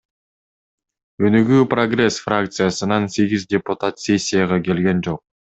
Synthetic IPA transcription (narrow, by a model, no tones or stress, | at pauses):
ønyɡyːproɡre̞sfrakt̪sɨjasɯnɑnse̞ɡʲizdʲepʊt̪at̪sʲe̞sʲːijaʁɑke̞lɡe̞nd͡ʒo̞q̚